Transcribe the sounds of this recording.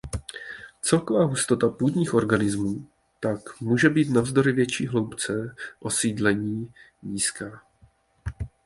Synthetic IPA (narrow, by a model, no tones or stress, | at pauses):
t͡sɛlko̞vaːɦust̪o̞t̪apuːd̪ɲiːxʔo̞ɾɡanɪzmuː | t̪akmuːʒɛbiːt̪navzdo̞ɾɪvjɛt͡ʃiːɦlo̞wpt͡sɛʔo̞siːdlɛɲiː | ɲiːskaː